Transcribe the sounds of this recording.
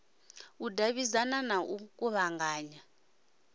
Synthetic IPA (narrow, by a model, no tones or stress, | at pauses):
udʱaβizananaʔuk̬ʼuβaŋɡʱaːɲa